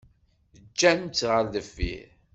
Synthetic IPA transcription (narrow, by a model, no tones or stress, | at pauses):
d͡ʒːænt͡s̪ʁəɾðəfːḭ